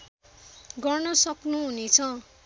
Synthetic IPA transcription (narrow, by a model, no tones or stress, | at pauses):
ɡʌrnʌsʌknuɦunet͡sʰʌ̃